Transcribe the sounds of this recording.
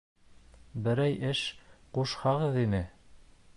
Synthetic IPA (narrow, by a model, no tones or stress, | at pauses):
bɘ̆ɾæjʔɘʃquʃhɑʁɤðinɘ